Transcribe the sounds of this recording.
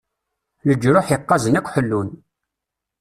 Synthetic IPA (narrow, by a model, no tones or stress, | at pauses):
ləd͡ʒːɾʊħjəqːɑzənækʷːħəlːun